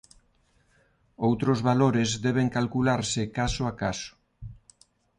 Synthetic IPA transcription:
owt̪ɾʊzβaloɾɪzðɛβeŋkalkulaɾsɪkasoakasʊ̥

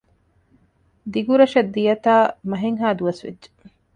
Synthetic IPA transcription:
d̪iɡuɾɐʃɐd̪ːijɐt̪aːmɐɦeŋɦaːd̪uɐsʋḛdʒe̥

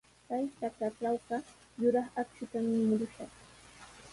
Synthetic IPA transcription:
kajt̪ak̪aʈ͡ʂawɢɑ | jʊɾɑχakt͡ʃʊt̪amɪmʊɾʊʃɑχ

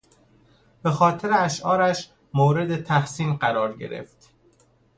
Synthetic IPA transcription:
b̥e̞xɒːt̪ʰe̞ɾeæʃʔɒːɾæʃ | moːɾe̞d̪et̪ʰæhsiːnɢæɾɒːɾɟe̞̰ɾe̞̰ft̪

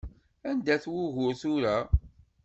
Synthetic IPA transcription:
ænd̪æθwʊʝʊɾθʊɾæ

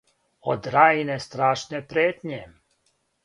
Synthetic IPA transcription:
o̰d̪ɾaːjnest̪ɾaːʃnepɾeːt̪ɲe

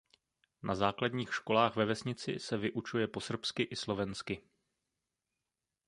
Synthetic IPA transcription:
nʔazaːkladɲiːxʃko̞laːxvɛvɛsɲɪt͡sɪ̰sɛvɪʔut͡ʃujɛpo̞sr̩pskɪʔɪslo̞vɛnskɪ

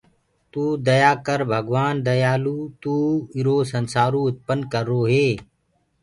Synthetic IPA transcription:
t̪uːd̪əjaːkəɾbʱəɡʋaːnd̪əjaːluːt̪uːɪɾoːsənsaːɾũːʊt̪̚pənkəɾːoːɦeː

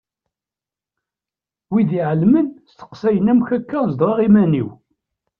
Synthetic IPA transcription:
wiðiʕəlmənst̪ə̥qsæjənæmçækːæzd̪ˤwɑʁimænḭw

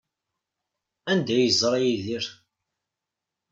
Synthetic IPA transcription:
ænd̪æjəzˤɾˤɑjiðiɾ

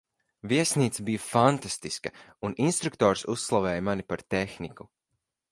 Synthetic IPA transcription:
viɛsniːt̪sabijafant̪ast̪iskɐuninst̪ɾuk̚t̪ɔːɾsusːlˠavɛːjmanipaɾt̪exniku

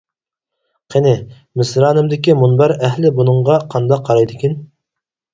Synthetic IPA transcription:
qʰenɪ | mɪsɾɑːnɨmd̪ɪkʲimunbɑɾɛɦlɪbunɨɴʁɑqʰɑnd̪ɑqʰːɑɾɑjd̪ɨkʲin

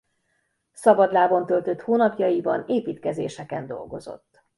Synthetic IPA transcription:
sɒbɒd̪laːbo̞nt̪ø̞lt̪ø̞t̪hoːnɒpjɒjibɒneːpiːt̪kɛzeːʃɛkɛnd̪o̞̰lɡo̞zo̞̰t̪ː

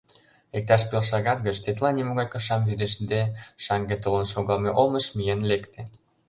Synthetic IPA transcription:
ek̚t̪ɑʃpelʃɑɣɑt̪̚ɡət͡ɕt̪et̪lɑnimoɣɑjkɑʃɑmvyd̪eʃnd̪eʃɑŋɡet̪olə̆nʃoɣɑlmeʔolməʃmijenlekt̪ĕ

